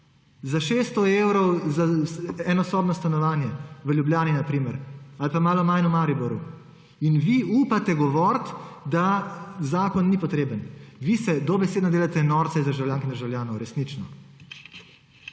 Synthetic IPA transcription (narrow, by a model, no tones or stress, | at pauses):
zaʃest̪ɔewɾɔwzaɛnɔsɔːbnɔst̪anɔʋaːnjɛʋəljubljaːninapɾiːmɛɾalpamaːlɔmajnumaːɾibɔɾju | inʋiuːpat̪ɛɡɔʋɔɾt̪d̪azaːkɔnːipɔt̪ɾeːbənʋisɛd̪ɔbɛseːd̪nɔd̪eːlat̪ɛnɔːɾt̪sɛizd̪əɾʒawljaːŋkind̪əɾʒawljaːnɔwɾɛsnit͡ʃnɔ